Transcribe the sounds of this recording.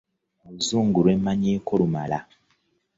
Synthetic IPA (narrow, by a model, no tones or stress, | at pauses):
uzuːŋɡuɾwemaɲekʰolumala̰